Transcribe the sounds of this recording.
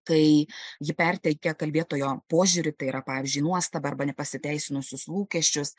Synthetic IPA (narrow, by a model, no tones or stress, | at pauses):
kɐɪjɪpʲɛrʲt̪ʲɛkʲɛkɐlʲbʲeɛt̪oːjoːpoːʒʲuɾʲɪt̪ɐɪiːɾɐpɑːʋʲɪzʲd͡ʒʲyˑɪnuɔst̪ɐbɐɐrbɐnʲɛpɐsʲɪt̪ʲæɪsʲɪnʊsʲʊslˠuːkʲɛʃʲt͡ʃʲʊs